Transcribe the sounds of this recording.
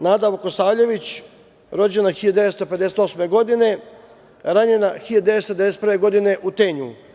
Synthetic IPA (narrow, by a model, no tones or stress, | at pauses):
naːd̪aʋokosaːʎe̞ʋit͡ɕ | ɾo̞d͡ʑe̞naxilʎad̪e̞ʋest̪ope̞d̪eset̪o̞sme̞ɡo̞d̪ine̞ | ɾaɲe̞naxiʎad̪d̪e̞ʋest̪od̪eeeset̪pɾʋe̞ɡo̞d̪ine̞ʔut̪eɲu